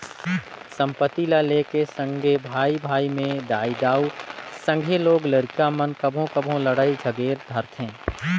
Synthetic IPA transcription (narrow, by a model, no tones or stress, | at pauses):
sə̃mpət̪ilaleːkesə̃ŋɡʱebʱaːibʱaːimẽd̪aːid̪aːusə̃ŋɡʱeloːɡləɾkamənkəbʱõkəbʱõləɽaːid͡ʒʱəɡeːɾd̪ʱəɾt̪ʰɦẽː